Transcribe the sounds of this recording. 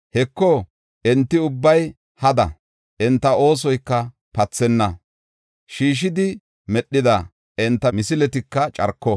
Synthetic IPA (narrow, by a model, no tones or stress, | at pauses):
hɛkːɔ | ʔɛnt̪ːɪʊbːɐj | hɐd̪ɐ̰ | ʔɛnt̪ːɐo̞ːs̬ɔjkːɐ | pɐt͡sːɛnːɐ | ʃiːʃ̬ɪd̪ɪ | mɛɗːɪd̪ɐ | ʔɛnt̪ːɐmɪsɪlɛt̪ɪkːɐt͡ʃʼɐ̰ɾkːɔ